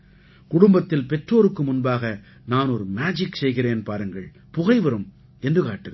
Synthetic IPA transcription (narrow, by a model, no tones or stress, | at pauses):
kʊɽʊmbɐt̪ːɪlpɛʈroːɾɯkːɯmʊnbaːɣɐ | naːnɔɾɯmaːd͡ʒɪksɛjɣɪreːnpaːɾɯŋɡɐ̰ɭ | pʊɣɐɪʋɐɾɯm | ɛndrɯkaːʈːɯɣɐ